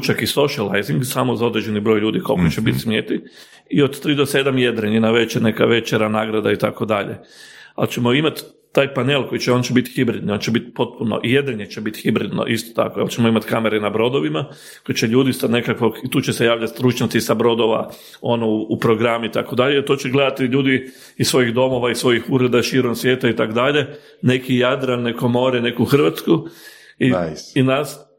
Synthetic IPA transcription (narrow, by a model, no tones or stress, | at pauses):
t͡ʃakiso̞ʃiala̰jziŋɡsamozaod̪ɾed͡ʒe̞nibɾo̞jʎuːd̪ikolkot͡ʃebit̪smjet̪i | iod̪t̪ɾiːd̪osed̪amjed̪ɾeninaʋet͡ʃenekaʋe̞t͡ʃeɾanaːɡɾad̪ait̪ako̞d̪aʎḛa̰lt͡ʃe̞moimat̪ː | aːjpaneːlˠko̞jit͡ʃeo̞nt͡ʃebit̪xibɾid̪nio̞ːnt͡ʃebit̪po̞t̪̚puno̰ʔijed̪eɲet͡ʃebit̪xibɾid̪no̰ʔist̪o̥t̪a̰kojḛlt͡ʃemoimat̪kameɾenabɾo̞d̪o̞ʋima | koit͡ʃeʎuːd̪ist̪at̪ne̞kakʋokit̪uːt͡ʃe̞se̞jaːʋʎat̪st̪ɾut͡ʃɲat̪sisabɾo̞d̪oʋa̰ | o̞nouupɾo̞ɡɾamit̪ako̞d̪aʎeit̪ot͡ʃeɡle̞d̪at̪iʎuːd̪i | isʋo̞jiɣd̪o̞mo̞ʋaisʋo̞jixuɾe̞d̪aʃiːɾomsʋjeːt̪ait̪akod̪aʎe̞ | nekijad̪ɾanːeko̞mo̞ːɾene̞kuxr̩ʋat̪sku | iinas